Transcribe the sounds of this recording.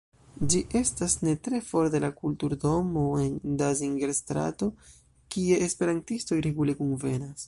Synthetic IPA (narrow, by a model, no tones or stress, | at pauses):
d͡ʒiʔe̞stasne̞tɾe̞fo̞ɾdelakultuɾdo̞mo̞e̞ndaziŋɡeɾstɾa̰to̞ | kie̞ːspe̞ɾantisto̞jɾeɡulekunve̞nas